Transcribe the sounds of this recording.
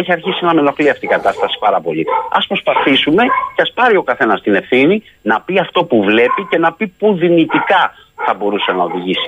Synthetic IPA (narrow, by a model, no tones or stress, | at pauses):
eçiɐɾçisinɐme̞lo̞xliɐft̪iːɡɐt̪ɐst̪ɐsi̥pɐɾɐpo̞ʎiɐ̰spɾo̞spɐθisume̞ceɐspɐɾio̞kɐθe̞nɐst̪ine̞fθini | nɐpiɐft̪o̞puvle̞pice̞nɐpipuðinit̪ikɐ | θɐbo̞ɾuse̞nɐo̞ðiʝisi̥